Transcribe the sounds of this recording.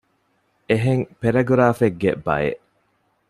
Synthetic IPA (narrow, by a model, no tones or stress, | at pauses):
eɦeŋpeɾɐɡuɾaːfeɡːḛbɐ̰jḛʔ